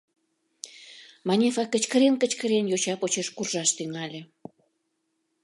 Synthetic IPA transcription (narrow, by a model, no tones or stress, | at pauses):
mɑnʲefɑkət͡ɕkə̆ɾenkə̆t͡ɕkəɾenjot͡ɕɑpot͡ɕeʃkurʒɑʃt̪yŋɑlʲe